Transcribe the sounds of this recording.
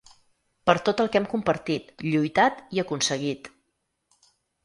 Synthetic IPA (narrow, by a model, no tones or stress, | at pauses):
pəɾt̪ot̪əlˠkɛmkumpəɾt̪it̪ʎujt̪at̪iəkunsəɣ̞it̪